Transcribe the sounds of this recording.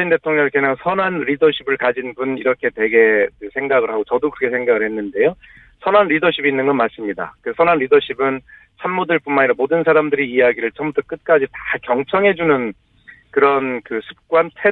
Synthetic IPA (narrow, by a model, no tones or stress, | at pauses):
inde̞tʰoŋɲʌŋikeɲaŋsʰʌnanɾidʌɕʰibɯɭkad͡ʑinbuniɾʌkʰe̞twe̞ɡe̞ɯsʰe̞ŋɡaɡɯɭɦaɡot͡ɕʌdokɯɾʌkʰe̞sʰeŋɡaɡɯɭhe̞nːɯnde̞jo | sʰʌnanɾidʌɕʰibinːɯnɡʌnmas͈ɯmɲida̰kesʰʌnanɾidʌɕʰibɯn | t͡ɕʰanmːodɯɭp͈unmaniɾamodɯnsʰaɾamdɯɾiːaɡiɾɯɭt͡ɕʌmbutʰʌk͈ɯt̚k͈ad͡ʑitḁkjʌŋt͡ɕʰʌŋɦe̞d͡ʑunɯn | kɯɾʌnkɯsʰu̥p̚k͈wantʰe